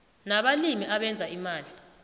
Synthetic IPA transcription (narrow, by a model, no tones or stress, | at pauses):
naɓalimiʔaɓɛnd͡zʱaimaːli